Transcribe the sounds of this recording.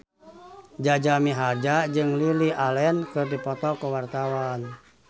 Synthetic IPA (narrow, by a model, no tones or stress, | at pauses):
d͡ʒad͡ʒamiɦad͡ʒad͡ʒɨŋlilialɛnkɨrdipɔt̪ɔkəwart̪awan